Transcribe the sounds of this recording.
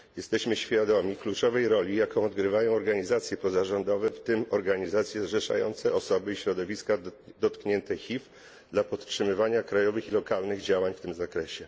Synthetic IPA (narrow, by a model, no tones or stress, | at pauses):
jɛst̪ɛɕmɘɕfʲjad̪ɔmʲiklut͡ʂɔvɛjɾɔlʲijakɔ̃w̃ɔd̪ɡɾɘvajɔ̃w̃ɔɾɡaɲizat̪sʲjɛpɔzaʐɔnd̪ɔvɛft̪ɘmɔɾɡaɲizat̪sʲjɛʐɛʂa̰jɔ̰nt̪sɛʔɔsɔbɘiɕɾɔd̪ɔvʲiskad̪ɔt̪kɲɛnt̪ɛxʲif | d̪lapɔt̪t͡ʂʂɘmɘvaɲakɾajɔvɘxilɔkalnɘɣd͡ʑawaɲft̪ɘmzakɾɛɕɛ